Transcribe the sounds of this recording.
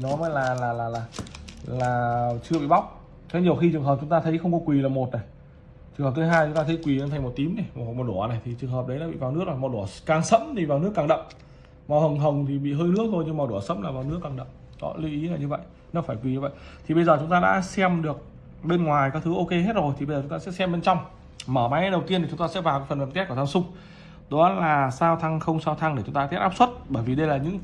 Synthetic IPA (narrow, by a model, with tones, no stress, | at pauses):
i˨nɔ˨˦maː˨˦jlaː˨˩laː˨˩laː˨˩laː˨˩laː˨˩t͡ɕɨ˧əɓḭ˧˨ɓa˦˥wk͡p̚ | t̪ʰe˨˦ɲi˨˩əwxi˧t͡ɕɨ˨əŋɦəː˨˩p̚t͡ɕʊ˨˦ŋ͡mt̪aː˧t̪ʰə˨˦jxə˧wŋ͡mkɔ˨˦kwi˨˩laː˨˩mo˨˩t̚na˨˩j | t͡ɕɨ˨ŋhə˨˩p̚tʰɨ˨˦ɦaː˧jt͡ɕʊ˨˦ŋ͡mt̪aː˧t̪ʰə˨˦jkwi˨˩˨nt̪ʰa˨˩ŋmo˨˩t̚t̪i˨˦əmna˨˩jm˨˩˨mo˨˩t̚ɗu˧˩əna˨˩jt̪ʰi˨˩t͡ɕɨ˨˩əŋɦəː˨˩p̚ɗə˨˦jna̰ː˧ɓḭ˧˨vaː˨˩wnɨ˦˥ək̚a˨˩mɔ˨˩ɗu˧˩əkaː˨˩ŋsə̰˧˥mt̪ʰi˨˩vaː˨˩wnɨ˦˥əkːaː˨˩ŋɗə̰˧˨wŋ͡m | ma˨˩whə˨˩wŋ͡mɦə˨˩wŋ͡mt̪ʰi˨˩ɓḭ˧˨ɦəː˧jnɨ˦˥ək̚t̪ʰo˧jɲɨ˧ŋmaː˨˩wɗu˧˩əsə̰˧˥mlaː˨˩vaː˨˩wnɨ˦˥əkːaː˨˩ŋɗə̰˧˨wŋ͡m | ɗɔ̰˨˦li˨˦ʔi˨˦na˨˩ɲɨ˧və̰˧˨jʔ | nə˨˦˩faː˧˩jkwi˨˩ɲɨ˧və̰˧˨j | t̪ʰi˨˩ɓə˧jzəː˨˩t͡ɕʊ˨˦ŋ͡mt̪aː˧ɗa̰ː˧˥sɛ˧mɗɨ˨˩ək̚ | ɓe˧nŋwaː˨˩jkɔː˨˦t̪ʰɨ˨˦ʔo˧ke˧ɦe˦˥t̚zo˨˩jt̪ʰi˨˩ɓə˧zəː˨˩t͡ɕʊ˨˦ŋ͡mt̪aː˧ɛ̰˧˥sɛ˧mɓe˧nt͡ɕwŋ͡m | məː˧˩ma˨˦jɗə˨˩wt̪i˧ənʰi˨˩t͡ɕʊ˨˦ŋ͡mt̪ːɛ̰˧˥vaː˨˩wkaː˨˦fə˨˩nvə˨˩nt̪ɛ˦˥kːt̪ʰa˧sʊ˧ŋ͡m | ɗo˨˦a˨˦laː˨˩saː˧wt̪ʰa˧ŋxə˧wŋ͡msaː˧wt̪ʰa˧ŋɗe˧˩t͡ɕʊ˨˦ŋ͡mt̪aː˧t̪ʰɛ˦˥p̚ʔaː˦˥p̚swə˦˥t̚ɓəː˧˩jvi˨˩ɗə˧jlaː˨˩ɲɨ̰˧˥ŋ